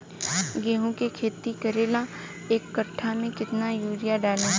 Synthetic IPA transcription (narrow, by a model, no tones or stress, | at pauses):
ɡeːɦõkekʰeːt̪ikɐɾeːla | eːkːɐʈʰːamẽkɪt̪najuːɾɪjaɖaːlẽː